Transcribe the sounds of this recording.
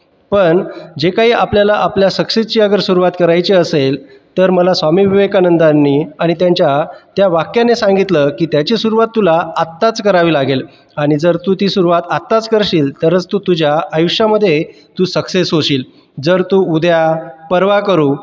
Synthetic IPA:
pəɳd͡ʑekaɦiːʔapljalaʔapljasəkset͡ɕiːəɡəɾsuɾuʋat̪kəɾajt͡ɕiəsel | t̪əɾməlasʋamiːʋiʋekanənd̪anːiːaɽ̃it̪jaɲt͡ɕjat̪jaʋakjanesãŋɡit̪ləkiːt̪jat͡ɕesuɾuʋat̪ːulaat̪ːat͡skəɾaʋiːlaɡel | aɽ̃id͡zəɾt̪uːt̪iːsuɾuʋat̪at̪ːat͡skəɾɕiːlt̪əɾət͡st̪uːt̪ud͡ʑʱjaəjuʂjaməd̪ʱːje | t̪uːsəksesɦoɕiːl | d͡zəɾt̪uːud̪ʱjapəɾʋakəɾuː

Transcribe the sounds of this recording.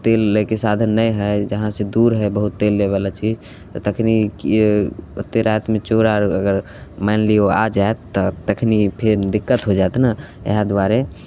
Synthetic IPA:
t̪elːəkesad̪ʱənːəjɦəjd͡ʒəɦãsed̪uɾɦəbəɦut̪ːelːeβalat͡ʃid͡ʒ | t̪ɔt̪əkʰnik | o̰t̪ːeɾajt̪mẽt͡ʃoɾaɾəɡəɾ | manlioa̰d͡ʒaet̪ːɔt̪əkʰnipʰeɾd̪ikːət̪ɦod͡ʒat̪na | ḛɦad̪aɾe

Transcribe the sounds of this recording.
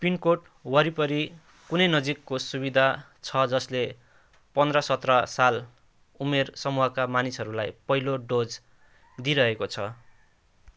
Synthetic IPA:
pinkoʈ | wʌɾipʌɾi | kunʌjnʌd͡zikːosubid̪ʱa | t͡sʰʌd͡zʌsle | pʌnd̪rʌsʌt̪rʌsal | umersʌmuɦʌkamanisɦʌɾula̰jpʌɦiloɖod͡z | d̪iɾʌɦekot͡sʰʌ

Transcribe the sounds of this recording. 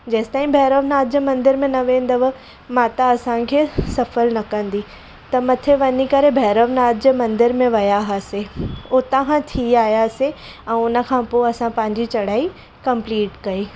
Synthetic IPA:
d͡ʑɐːst̪aːĩbʱɛːɾəʋnaːd̪̚d͡ʑəmɐ̃nd̪ɪɾmẽnɐʋẽːnd̪ɐʋə | mãt̪ɐɐsãkʰeːsɐfəlnɐkɐ̃nd̪i | t̪ɐmɐt̪ʰeʋɐɲikɐɾebʱɛːɾəʋnaːd̪̚d͡ʑəmɐ̃nd̪ɪɾmẽʋɐjaɦaseot̪ɐɦãt̪ʰiaːjase | ɛ̃ːʊnə̆kʰãːpoːɐsãpɐ̃ɦɪ̃ɲd͡ʑit͡ɕɐɽ̤aːi | kɐ̃mpliːʈkɐiː

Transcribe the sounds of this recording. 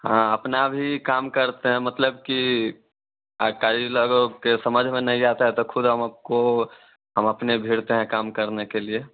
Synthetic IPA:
ɦãəpnabʱikaːmkəɾt̪eɦɛ̃mət̪ləbki | kaɾiloɡokesəməd͡ʒʱmẽnɐɦĩat̪aɦɛ̃t̪okʰʊd̪ɦəməp̚ko | ɦəməpnebʱiɽt̪eɦɛ̃kaːmkəɾnekelie

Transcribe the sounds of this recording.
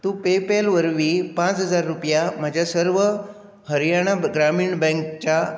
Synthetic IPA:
t̪ũpepelʋəɾʋiːpãt͡sɦəd͡zaɾːupjam̤ad͡ʑʱjasəɾʋə | həɾjaɽ̃aɡɾamiːɳbɛ̃ŋkt͡ɕa

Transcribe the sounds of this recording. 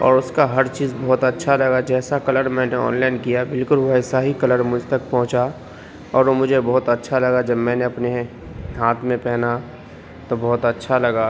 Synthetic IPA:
ɔ̰ːɾʊskaɦɐɾt͡ʃiːzbɔːʊt̪ətːʃʰalɐɡad͡ʒɛːsakɐləɾmɛ̃ːneɔ̰ːnlaɪnkijabɪlkʊlʋoɦsaɦikɐləɾmʊd͡ʒʱt̪ɐk̚pɔ̃ɦʊ̃t͡ʃa | ɔːɾomʊd͡ʒʱebɔɦːʊt̪ətːʃʰalɐɡad͡ʒɐbmɛ̃ːneɐpne | ɦaːt̪ʰmẽpɛɦna | t̪obɔːt̪ətːʃʰalɐɡa

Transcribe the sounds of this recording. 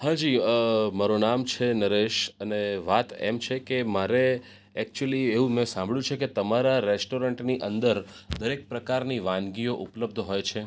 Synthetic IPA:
hãd͡ʒiəmaɾonamt͡ʃʰenəɾeʃəneʋat̪ḛmt͡ʃʰekemaɾe | ɛk̚t͡ʃuəlieũmɛ̃sãmbʱɭjũt͡ʃʰeket̪əmaɾaɾesʈoɾəɳʈniʔə̃nd̪əɾd̪əɾek̚pɾəkaɾniʋãnɡioʔupləb̚d̪ʱɦojt͡ʃʰe

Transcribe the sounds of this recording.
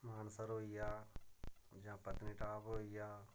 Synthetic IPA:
maːnsəɾɦoːɪjaː | d͡ʒãːpət̪niʈaːpɦoːijaː

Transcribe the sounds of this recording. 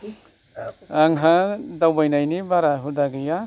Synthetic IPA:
aŋɦadawbajnajnibaɾaɦudaɡɯja

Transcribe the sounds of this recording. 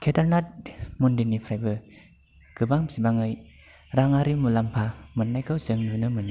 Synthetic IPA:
kʰedaɾnat̚mundinipʰɾajbɯ | ɡ̥ɯbaŋsibaŋɯj | ɾaŋaɾimulampʰamɯnːajkʰɯwzɯŋnɯnɯmɯni

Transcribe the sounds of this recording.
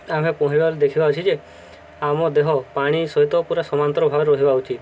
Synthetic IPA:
amepɔɦiɾibaɾed̪ekʰibaɦut͡ʃʰid͡ʒe | amɔd̪eɦɔpaɽ̃isɔɦit̪ɔpuɾasɔmant̪ɔɾɔbʱaɾɾɔɦibaut͡ʃʰi

